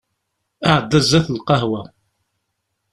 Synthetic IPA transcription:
aʕəd̪ːæzæθəlqɑɦwæ

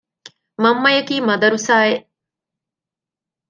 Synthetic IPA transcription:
mɐmːɐjɐkiːmɐd̪ɐɾusaːeʔ

